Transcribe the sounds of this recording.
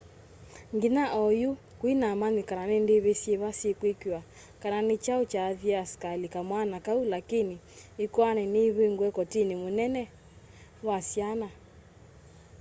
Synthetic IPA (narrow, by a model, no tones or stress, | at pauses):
ŋɡinaʔɔju | kwinamanikananindiβesiɛβasekwikia | kananit͡ʃaut͡ʃaːðiaaskalikamwanakaulakiniːkɔanɛniβeŋɡwɛkɔtinimunɛnɛ | wasiana